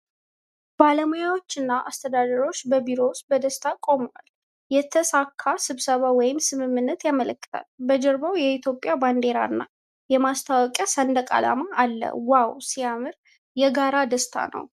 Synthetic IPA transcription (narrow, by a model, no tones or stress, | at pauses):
b̥aləmojawo̞t͡ʃːɨnːaʔast̪ʰəd̪ad̪əɾo̞t͡ʃːbəbiɾo̞wst̪̚bəd̪əst̪ʰakʼo̞mwa̰l | jɛt̪ʰəsakʰːasɨβsəβawɔjɪmsɨmɨmːɨnːət̪jamələkːɨ̥t̪ʰa̰lbəd͡ʒɛɾbawjɛit̪ʰjo̞pʼjaband̪e̞ɾa̰ɨnːa | jɛmast̪ʰawɔkʼɛsənd̪əkʼa̰la̰maːlːə̰wawsijamɨɾ | jɛɡaɾad̪əst̪ʰa̰nə̰w